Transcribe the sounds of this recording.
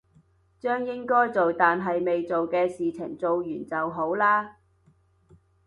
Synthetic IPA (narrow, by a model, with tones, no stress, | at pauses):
t͡ʃœː˥ŋjɪ˥ŋkɔː˥jt͡so˨wt̪aː˨nɦɐ˨jme˨jt͡so˨wkɛː˧siː˨t͡sʰɪ˨˩ŋt͡so˨wjyː˨˩nt͡sɐ˨wɦo˨˥wlaː˥